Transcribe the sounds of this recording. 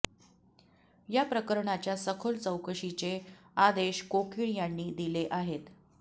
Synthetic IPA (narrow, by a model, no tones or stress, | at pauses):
japɾəkəɾɳat͡ɕjasəkʰolt͡səwkəɕit͡ɕe | ad̪eɕkokʰiɳjaɳːiːd̪ileʔaɦet̪